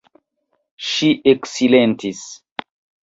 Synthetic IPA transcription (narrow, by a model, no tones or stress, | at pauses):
ʃiʔeksilẽntis